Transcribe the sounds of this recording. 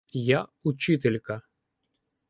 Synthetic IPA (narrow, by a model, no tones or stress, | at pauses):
jaut͡ʃɪt̪elʲkɐ